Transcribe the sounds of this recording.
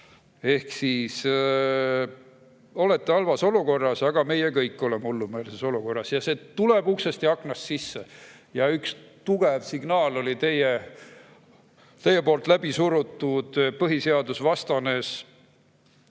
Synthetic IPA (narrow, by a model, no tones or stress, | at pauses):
e̞hksiːs | o̞let̪ˑːeɑlvɑso̞luko̞rːɑsɑɡ̥ɑme̞jekɤjkːˑo̞lemulːumeːlseso̞luko̞rːɑsjɑseːt̪ule̞b̥uksest̪iɑkːˑnɑssisːe | jɑykst̪uɡ̥evsiɡ̥nɑːlo̞lit̪e̞je | t̪e̞jepoːlt̪ˑlæbisuɾut̪ːud̪̥pɤɦise̞ɑd̪usvɑst̪ɑne̞s